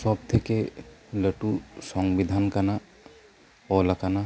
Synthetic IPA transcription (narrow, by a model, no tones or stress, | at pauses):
sɔp̚t̪ʰekeləʈusɔ̃ŋɡbid̪ʱaːnkana | ɔlɐkana